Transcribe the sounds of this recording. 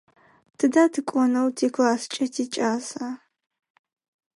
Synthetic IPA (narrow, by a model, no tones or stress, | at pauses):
tʰɨdaːtʰɨkʷʼɔnɐwtʰeːklaːst͡ʃʼɐtʰeːt͡ʃʼaːza